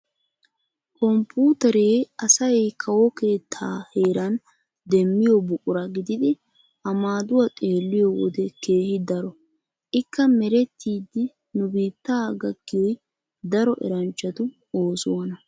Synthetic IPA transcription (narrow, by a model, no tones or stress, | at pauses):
kʰɔmpːuːt̪ɛɾe̞ːɐsɐjkʰɐwɔke̞ːt̪ʰːaːhe̞ːɾɐn | d̪ɛmːɪjɔbʊkʼʊɾɐɡɪd̪ɪd̪ɪ | ʔɐmaːd̪ʊwɐt̪ʼe̞ːlːɪjɔwɔ̰d̪ɛke̞ːhɪd̪ɐɾɔ | ʔɪkːɐmɛɾɛt̪ːiːd̪ːɪ | nʊbiːt̪ːaːɡɐɡ̥ːɪjɔj | d̪ɐɾɔʔɛ̰ɾɐnt͡ʃːɐt̪ʊ | oːsʊwɐnɐ